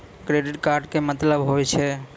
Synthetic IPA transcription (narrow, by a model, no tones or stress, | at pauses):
kɾeɖɪʈ̚kaɾɖkemət̪ləbɦojt͡ʃʰe